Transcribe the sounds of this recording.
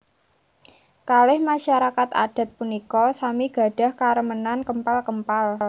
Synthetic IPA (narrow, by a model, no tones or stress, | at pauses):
kalɪhmaʃaɾakat̪a̰d̥a̤t̪̚punikɔsamiɡ̥a̤ɖ̥a̤hkaɾəmənankəmpalkəmpal